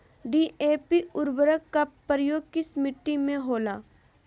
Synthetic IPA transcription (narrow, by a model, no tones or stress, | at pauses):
ɖiːʔeːpiʊɾbəɾəkːapːəɾjoːɡ̚kismɪʈːimẽɦoːlaː